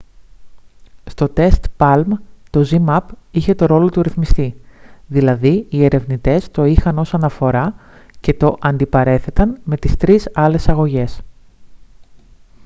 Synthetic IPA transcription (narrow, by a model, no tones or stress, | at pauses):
st̪o̞t̪e̞st̪pɐlmt̪o̞zimɐpiçe̞t̪o̞ɾo̞lo̞t̪uɾiθmist̪iðilɐðiie̞ɾe̞vnit̪e̞st̪o̞ixɐno̞sɐnɐfo̞ɾɐ | ce̞t̪o̞ʔɐnd̪ipɐɾe̞θe̞t̪ɐnme̞t̪ist̪ɾisɐle̞sɐɣo̞ʝe̞s